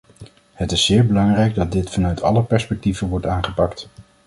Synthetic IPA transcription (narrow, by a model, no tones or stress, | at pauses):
hətɪsːɪːɹbəlɑŋrɛjɡ̚dɑt̚dɪtfɑnœɥtʰɑ̰ləpɛɹspɛk̚tivəʋɔɹtaːnχəpɑkt